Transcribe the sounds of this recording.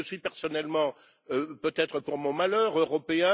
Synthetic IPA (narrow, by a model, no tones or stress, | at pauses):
əsɥipɛʁsɔnɛlmɑ̃ | øpøt̪ɛt̪χəpuʁmɔ̃malœːʁøʁɔpeɛ̃